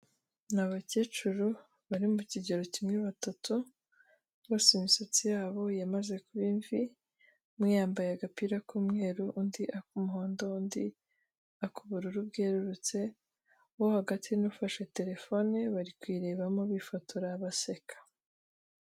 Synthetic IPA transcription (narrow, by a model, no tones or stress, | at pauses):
naβacet͡ʃuɾu | βaɾimuciɟeɾo̞cimŋeβatatu | βo̞ːseimisot͡sijaːβo̞jamaze̞kuβiːɱvi | mŋijaːmbajeaɡapiɾakuːmŋe̞ːɾuʔundiʔakumuɦo̞ːndo̞undi | akuβuɾuɾub̚ɡeːɾuɾut͡se̞ | wohaɡatʰinufaʃe̞te̞ɾe̞fo̞niβaɾikwiːɾe̞βamoβifatʰuɾaβase̞kʰḁ